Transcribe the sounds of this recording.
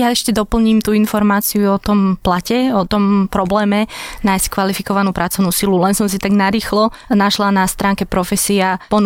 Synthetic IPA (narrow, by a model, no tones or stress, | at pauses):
jaɛʃcɛd̪ɔpl̩ɲiːmt̪uːinfɔɾmaːt͡siuɔt̪ɔmplacɛɔt̪ɔmpɾɔblɛːmɛnajsckʋalifikɔʋanuːpɾat͡sɔʊnuːsilulɛnsɔmsit̪aɡnaɾiːxlɔnaʃlanast̪ɾaːŋkɛpɾɔfɛsiapɔn